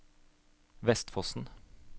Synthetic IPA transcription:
ʋɛst̪fɔsn̩

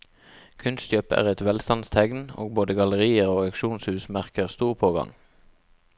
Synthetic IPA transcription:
kʰʉnst͡ʃøːpæ̰ːʁɛt̪ʋɛlst̪ɑnst̪ʰɛɡno̰ːɡ̚boːd̪əɡɑləʁiːəʁoːɛkʃuːnshʉːsmæʁkəʁst̪uːʁpʰoːɡɑ̰ŋ

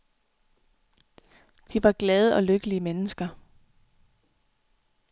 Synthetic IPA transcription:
d̥iʋɑ̈ɡ̥lɛð̞ˠəɒ̽løɡ̥əliəmenəsɡ̥ɐ

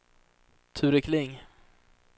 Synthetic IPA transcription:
t̪ʰʉːɾɪkʰlɪŋ

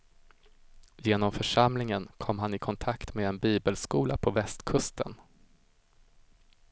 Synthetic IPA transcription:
jeːnɔmfœʂamlɪŋənkʰɔmːɦanɪkʰɔnt̪ʰakt̪meːɛnbiːbəlskuːlapʰɔvɛst̪kʰɵst̪ʰə̰n

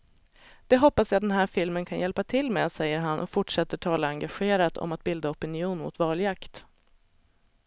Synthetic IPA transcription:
d̪̥ɛɦɔpːasjɑːd̪ɛnɦæːɾfɪlmənkʰanjɛlpat̪ʰɪlːmɛːsɛjːəɾɦanʔɔ̰kfʊʈʂɛt̪ːəʈʰɑːlaaŋɡaɧeːɾat̪ʰɔ̰mat̪̚bɪld̪aɔpɪnɪuːnmʊ̰t̪vɑːljakt̪

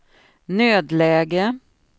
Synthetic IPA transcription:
nøːd̪lɛːɡə

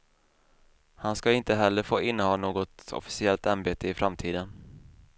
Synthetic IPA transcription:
hanskaɪnt̪əɦɛlːəɾfoːʔɪnːəhɑːnoːɡɔt̪ɔ̰fɪ̥sɪɛlt̪anbeːt̪əɪfɾamt̪ʰiːd̪ən

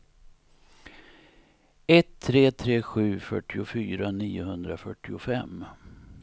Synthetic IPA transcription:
ɛt̪ʰːɾeːt̪ʰɾeːɧʉ̟ːfœ̰ʈːɪʊfyːɾaniːʊɦɵnd̪ɾafœʈːɪʊfɛm

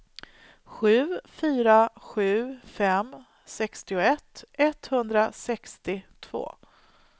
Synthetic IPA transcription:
ɧʉ̟ːfyːɾaɧʉ̟ːfɛm | sɛkst̪ɪʊɛt̪ːɛt̪hɵnd̪ɾasɛkst̪ɪt̪ʰv̥o̰ː

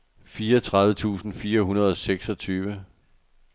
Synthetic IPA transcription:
fiːɐʌt͡sʰʁɑ̈ðˠʋət͡sʰṵːsn̩fiːɐɦunɐð̞ˠɒ̽seɡ̥sɒ̽t͡sʰyːʋə

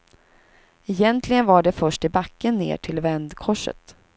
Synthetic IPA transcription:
ɛjɛnt̪ʰlɪɡənvaɖɛfœʂʈɪbakːənːḛːʈʰɪlvɛnd̪kʰɔʂːə̰t̪

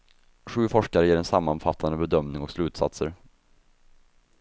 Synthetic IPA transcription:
ɧʉ̟ːfɔʂkaɾəjeːɾɛnsamːanfat̪ʰːand̪əbɛd̪œmnɪŋɔkslʉ̟ːt̪sa̰t̪səɾ

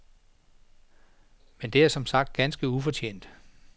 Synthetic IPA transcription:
mend̥e̝æɐsɒ̽msɑ̈ɡ̥̚d̥̚ɡ̥ænsɡ̥əufɒ̽t͡ɕʰḛːn̰d̥

